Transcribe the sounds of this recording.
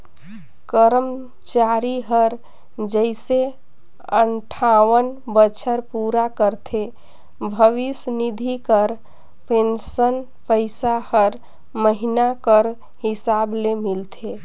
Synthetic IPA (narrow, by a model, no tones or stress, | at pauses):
kəɾəm | t͡ʃaɾiɦəɾ | d͡ʒəɪse | ə̰ɳʈʰawənbət͡ʃʰəɾpuɾakəɾt̪ʰe | bʱəʋisnid̪ʱikəɾ | pensən | pəɪsahəɾ | məɦinakəɾ | hisablemilt̪ʰe